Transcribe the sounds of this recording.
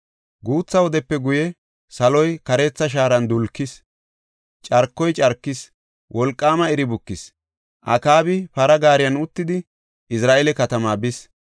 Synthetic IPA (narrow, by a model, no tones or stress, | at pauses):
ɡuːt͡sːɐwɔd̪ɛpːɛɡʊjɛ | sɐlɔjkɐɾeːt͡sːɐʃ̬aːɾɐnd̪ʊlkːɪs | t͡ʃʼɐɾkːɔjt͡ʃʼɐɾkːɪs | wʔɔlkʼːaːmɐɛɾɪbʊkːɪs | ʔɐ̰kaːbɪpɐɾɐɡaːɾɪjɐnʊt̪ːɪd̪ɪ | ɪsɾaːʔeːlɛkɐt̪ɐmaːbɪs